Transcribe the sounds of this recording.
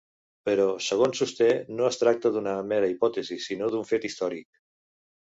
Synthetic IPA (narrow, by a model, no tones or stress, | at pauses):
pəɾɔsəɣ̞onsust̪enoəst̪ɾak̚t̪əðunəmɛɾəipɔt̪ezisinoðuɱfet̪ist̪ɔɾik̚